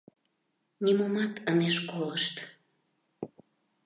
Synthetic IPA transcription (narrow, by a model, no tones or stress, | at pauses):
nʲimomɑt̪əneʃkoləʃt̪